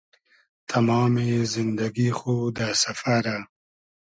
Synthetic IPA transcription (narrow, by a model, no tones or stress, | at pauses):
t̪ʰamɑːmezɪnd̪aɡixod̪asafaɾa